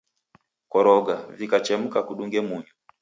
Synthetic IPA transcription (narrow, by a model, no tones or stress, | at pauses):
kɔɾɔɡavikat͡ʃɛm̩kakuɗuŋɡɛmuɲu